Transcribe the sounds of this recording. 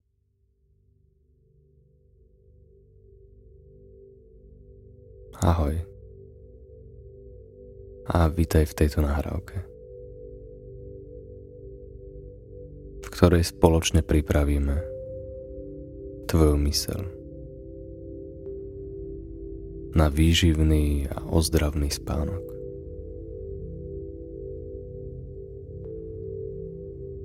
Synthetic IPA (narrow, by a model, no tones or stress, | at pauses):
a̰ɦɔj | aʋit̪ajft̪ɛjt̪ɔnaːɦɾa̰ʊkʰɛ | fkt̪ɔɾɛjspɔlɔt͡ʃɲɛpɾipɾaʋiːmɛ | t̪ʋɔjumisɛ̰l | naʋiːʒiʊniːa̰ʔɔzd̪ɾaʊniːspa̰ːnɔk